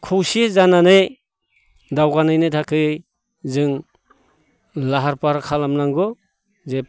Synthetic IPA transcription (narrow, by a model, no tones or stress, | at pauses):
kʰuwsizananɯj | dawɡanɯjnɯjtʰakʰɯ | zɯŋ | laɦaɾpaɾkʰalamnaŋɡɔ | ze